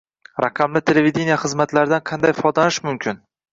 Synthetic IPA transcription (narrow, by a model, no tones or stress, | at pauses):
ɾɑqʰɑmlɪt̪ʰe̞leved̪ʲe̞nijaχɨzmat̪laɾɪd̪anqʰɑnd̪ajfɒd̪lanɪʃmʊmkʲʰɪn